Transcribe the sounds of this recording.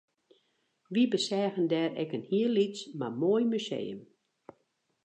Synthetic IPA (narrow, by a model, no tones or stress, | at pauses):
ʋibəsɛːɣəndɛrɛ̰kənhiəlismamoːjmysḛːə̰m